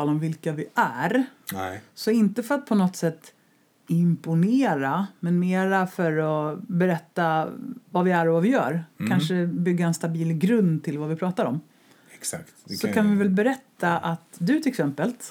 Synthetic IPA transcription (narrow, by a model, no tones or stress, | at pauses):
lɔmvɪlkavɪʔæɾ | sɔɪnt̪əfœɾat̪̚pʰɔnɔt̪sɛt̪ː | ɪmpʊneːɾamɛnmeːɾafœɾɔbɛɾɛt̪ːavavɪæɾɔvavɪjœ̰ːɾkʰanʂəbʏɡːaɛnst̪abiːlɡɾɵnd̪t̪ʰɪlvavɪpʰɾɑːt̪aɾɔm | ɛksakt̪sɔkʰanvɪvɛlbɛɾɛt̪ːaʔat̪d̪ɵt̪ʰɪlɛksɛmpəlt̪